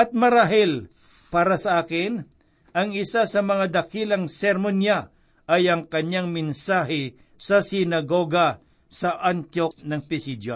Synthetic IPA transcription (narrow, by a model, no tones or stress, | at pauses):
ʔɐt̪̚mɐɾaɦɪl | paːɾɐsɐʔaːkɪn | ɐŋɪsasɐmɐŋad̪ɐkilɐŋsɛɾmonja | ʔɐjɐŋkɐɲaŋmɪnsaːɦɪ | sɐsɪnɐɡoɡɐ | sɐʔant̪joknɐŋpɪsid̪o